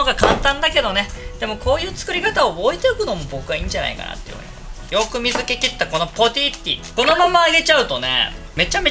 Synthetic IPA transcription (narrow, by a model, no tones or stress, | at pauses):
oɡakãnt̪ãnd̪ake̞d̪o̞ne̞d̪̥e̞mo̞ko̞ːjɯ̟ːt͡sɨ̥kɯ̟ɾʲikat̪aooit̪eokɯ̟no̞mo̞bo̞kɯɡaĩːɲ̟d͡ʑana̰ḭka̰na̰t̪ːei̟̰a̰i | jo̞kɯ̟mʲizɨkʲe̞kʲit̪ːako̞no̞po̞t̪ʲit̪ʲːḭko̞no̞mamaːɡʲe̞t͡ɕaɯ̟t̪o̞nḛme̞t͡ɕame